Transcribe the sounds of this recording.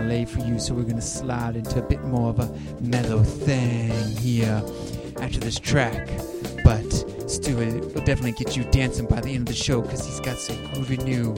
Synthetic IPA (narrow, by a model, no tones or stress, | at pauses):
leɪ̥fə˞jɨsoʊwɨɹɡʌnɨslaɪɾɪ̃ntʰʉɨbɪt̚mɔɹʌvə | mɛɾoʊθɪ̃ŋɦiɹ | ʔæftə˞ðɪstʰɹ̥æk | b̥ʌt | stʉɪlˠdɛfənɨtˡliɡɛt͡ʃɨdæ̃nsɪ̃ŋbaɪðiɛ̃ndʌvðɨʃoʊkʰʌz̥hizɡɑtsʌɡɹɨnjʉ